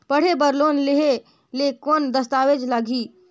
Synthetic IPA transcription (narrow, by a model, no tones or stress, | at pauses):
pəɽ̤ebəɾloːnleɦe | lekoːnd̪əst̪aːʋed͡ʒlaɡʱi